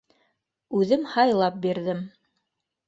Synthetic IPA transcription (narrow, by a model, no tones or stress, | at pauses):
ʉðɘmhɑjlˠɑp̚biɾðɘm